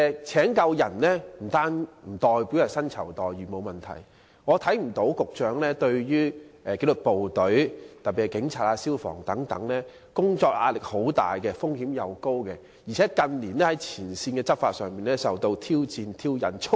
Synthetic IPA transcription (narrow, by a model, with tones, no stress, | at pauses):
t͡sʰɛː˨˥ŋkɐ˧wjɐ̰˨˩nlɛː˥m̩˨˩t̪aː˥nm̩˨˩t̪ɔː˨˩jpi˨˥wjɐ˨˩sɐ˥nt͡sʰɐ̰˨˩wt̪ɔː˨jɥyː˨˩mo˨˧wmɐ˨˩nt̪ʰɐ̰˨˩j | ŋɔː˨˧t̪ʰɐ˨˥jm̩˨˩t̪o˨˧˥wkʊ˨k̚t͡ʃœː˨˧˥ŋlɛː˥t̪ɵ˧ɥjyː˥ɛ˨ke˧lʊ˨˩k̚po˨wt̪ɵ˨˥ɥt̪ɐ˨p̚piː˨˩kɛ˧kɪ˨˥ŋt͡sʰaː˧t̚aː˧siː˥wfɔ̰ː˨˩ŋt̪ɐ˨˥ŋt̪ɐ̰˨˥ŋlɛː˥ | kʊ˥ŋt͡sɔː˧k̚ʔa̰ː˧t̚lɪ˨k̚ho˨˥wt̪a̰ː˨jkɛ˧fʊ˥ŋhiː˨˥mjɐ˨˧wko˥wkɛ˧ | jiː˨˩ɛː˨˥kɐ˨˧nliː˨˩nɛː˥hɐ˨˦jt͡sʰiː˨˩nsiː˧nkɛː˧t͡sɐ˥p̚faː˧t̚sœː˨ŋmpiː˨nlɛː˥sɐ˨wt̪o˧wt̪ʰiː˥wt͡siː˧nt̪ʰiː˥wjɐ̰˨˥nt͡ʃʰʊ˥